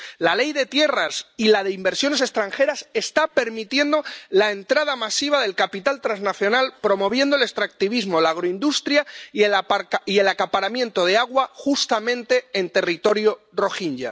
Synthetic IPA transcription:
lale̞jðe̞t̪je̞rasilað̞e̞imbe̞ɾsjo̞ne̞se̞st̪ɾaŋxe̞ɾase̞st̪ape̞ɾmit̪je̞nd̪o̞lae̞nt̪ɾaðamasiβ̞aðe̞lkapit̪alt̪ɾanznaθjo̞nalpɾo̞mo̞β̞je̞nd̪ole̞st̪ɾak̚t̪iβizmo̞laːɣ̞ɾoind̪ust̪ɾjaielaaɾie̞lakapaɾamjẽ̞nt̪o̞ðe̞aɣ̞waxust̪amẽ̞nt̪e̞ːnt̪e̞rit̪o̞ɾjo̞ | ro̞xiɲɟa̰

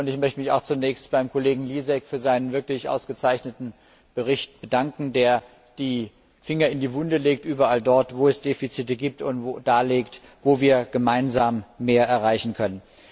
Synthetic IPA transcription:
ʊntɪçmœçtəmɪçaʊxt͡sunɛːçstb̥aɪmkʰoleːɡŋ̩liːzɛkfyːɐzaɪnənvɪɐklɪçʔa̰ʊsɡ̥ət͡saɪçnətn̩ | b̥əʁ̞ɪçt̚b̥ədaŋkŋ̩deːɐ | d̥iː | fɪŋɐɪndiːvʊndəleːk̚tʔyːbɐʔaldɔɐtv̥oːɛsd̥eːfit͡siːtəɡiːp̚tʊntvod̥aːleːkt | voːviːɐɡ̥əmaɪnzaːmːeːɐʔɛɐʁaɪçn̩kʰœnən

